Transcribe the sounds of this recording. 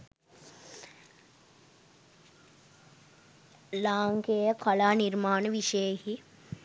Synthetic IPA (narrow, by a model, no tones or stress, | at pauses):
laːŋkeəkʰalaːnirmaːnəʋiʃəjəhi